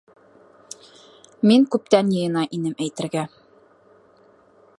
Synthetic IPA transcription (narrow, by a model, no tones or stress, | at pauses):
miŋkʉp̚t̪ænjɤ̆jɤ̆nɑʔinɘmæjt̪ɘ̆ɾɡæ